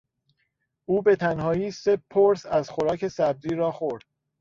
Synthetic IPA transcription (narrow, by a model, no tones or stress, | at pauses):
ʔuːbe̞t̪ʰænhɒːjiːse̞pʰoɾsæzxoɾɒːkʰe̞sæb̚ziːɾɒːxoɾd̪̥̚